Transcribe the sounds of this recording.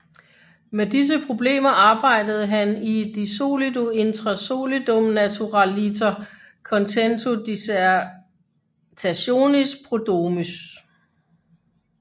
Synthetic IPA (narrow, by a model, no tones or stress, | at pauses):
medis̬əpʰʁo̝b̥le̝̰ːmɐʔɑ̈ːb̥ɑ̈ɪ̰d̥əð̞̩ˠəɦænid̥iso̝̰ːlid̥o̝e̝nt͡sʰʁɑso̝ːlid̥ɔ̽mnæt͡sʰuʁɑlit͡sʰɐ | kʰɔ̽nt͡sʰent͡sʰo̝d̥i | t͡sʰæso̝̰ːnispʰʁo̝d̥o̝̰mys